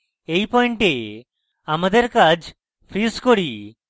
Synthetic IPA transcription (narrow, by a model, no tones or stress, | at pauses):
ejpɔiɳʈe | amad̪eɾkad͡ʒ | pʰɾiskoɽi